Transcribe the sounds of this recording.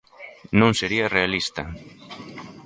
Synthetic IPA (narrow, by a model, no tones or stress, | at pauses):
nõŋseɾiɐrealist̪ɐ